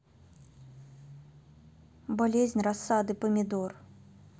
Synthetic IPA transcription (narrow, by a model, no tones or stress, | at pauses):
balʲɛzʲnʲrasːad̪ɨpɐmʲid̪ɔr